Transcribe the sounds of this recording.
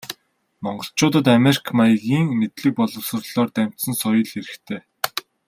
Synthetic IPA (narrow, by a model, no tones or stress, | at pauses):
mɔɴɢɞ̆ɬt͡ɕʊːt̪ə̆t̪̬amerikʰmajɣiːŋmet̪ɮɘ̆k̚pɔɮɞ̆wsə̆rɮ̥ɔːrt̪æm̥ʲt̪sə̆nsɔjə̆ɮxeɾɘ̆xt̪ʰeː